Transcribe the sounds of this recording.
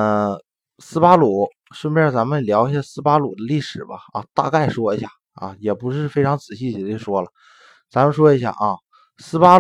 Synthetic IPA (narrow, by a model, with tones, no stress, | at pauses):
ə˧ | sɹ̩˥pa˥lu˨˩˦ | ʂ̩˥nbɻt͡sa˧˥mə˧˨ljɑ˧˥ʊi˧˥ɕja˥˩sɹ̩˥pa˥lṵ˨˩d̪ə˦li˥˩ʂɻ̩˨˩bɐ˦ɐ̰˧t̪a̰˥˧ka˥˩ɪʂwɔ˥i˧˥ɕja̰˥˩ | ɐ̰˧jɛ˨˩pu˧˥ʂ̬ɻ̩˥˩fe˥ɪʈ͡ʂʰɑ˧˥ŋt͡sɹ̩˨˩ɕi˥˩t͡ɕɛ˧˩də˦t͡ɕjo˥˩ʊʂwɔ˥lə˨ | t͡sa˧˥mə˧nʂwɔ˥i˧˥ɕ̬ja̰˥˩ʔɐ˥˧˩ | sɹ̩˥pa˥